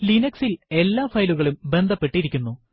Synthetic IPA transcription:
linɐksile̞lːaːfɐjluɣɐɭumbe̞nd̪ʱɐpːe̞ʈːiɾikʲːunːu

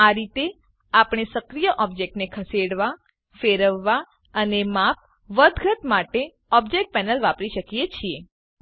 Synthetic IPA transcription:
aɾit̪e | apɽ̃esəkɾijəʔɔb̚d͡ʒek̚ʈnekʰəseɽʋa | feɾəʋːa | ənemap̚ʰ | ʋəd̪ʱɡʱət̪maʈe | ɔb̚d͡ʒek̚ʈ̚pɛnəlʋapɾiʃəkijet͡ʃʰie

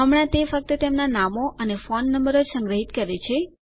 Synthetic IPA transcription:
ɦəmɽ̃ãt̪efək̚t̪ət̪emnanamoʔənefonːəmbəɾosə̃ŋɡɾəɦit̪kəɾet͡ʃʰe

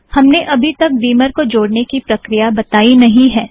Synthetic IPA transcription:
hɐmneʔɐbʱit̪ɐk̚d̪iːməɾkod͡ʒoːɽnekipɾɐkɾijabɐt̪aːinɐɦĩɦɛː

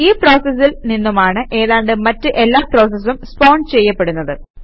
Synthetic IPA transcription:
iːpro̞ːsɐs̬ilninːumaːɳɨʔe̞ːðaːɳɖɨmɐtːɨʔe̞lːaːpro̞ːs̬ɐs̬umspo̞ːɳɖt͡ɕe̞jːɐpːe̞ɽunːɐðɨ

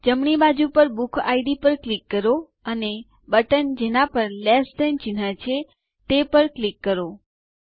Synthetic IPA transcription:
d͡ʒəmɳibad͡ʒupəɾbukʰaiɖipəɾklikːəɾo | əne | bəʈənd͡ʒenapəɾlɛsd̪əjnt͡ʃɪnat͡ʃʰe | t̪epəɾklikːəɾo

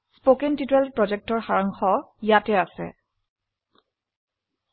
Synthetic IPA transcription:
spokɛntitɛlpɹɔd͡ʒɛk̚tɔɹxaɹaŋxɔjatɛasɛ̰

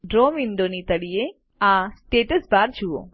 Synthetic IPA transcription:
ɖɾoːmiɳɖonit̪əɽie | asʈeːʈəsbaɾd͡ʒuo̰

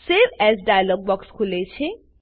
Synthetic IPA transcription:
seɾɛsɖajalɔɡ̚bɔkskʰulet͡sʰe

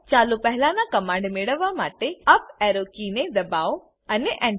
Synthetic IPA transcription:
t͡ɕaːlupɐɦɪlãːnãkɐmãːɳɖmeɽəʋamaːʈeɐp̚ɛːɾoːkiːned̪ɐbaːo | ɐneʔɛ̃ɳ

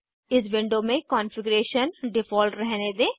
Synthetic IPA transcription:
ɪs̬ʋɪ̃ɳɖomẽkɔ̃ːnfɪɡɾeːʃənɖɪfɔːlʈɾɛɦned̪eː

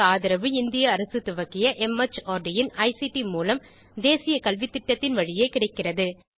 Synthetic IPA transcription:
aːðɪɾɐʋɯɪnd̪ɪjɐːɾɐsɯt̪ʊʋɐɣɪjɐʔɛmɐt͡ʃːaːɾɖɪjɪnɐɪsiʈimuːlɐm | d̪eːsɪjɐkɐlʋɪt̪ːɪʈːɐt̪ːɪnʋɐɻɪjeːkɪɽɐɪkːɪrɐðɯ

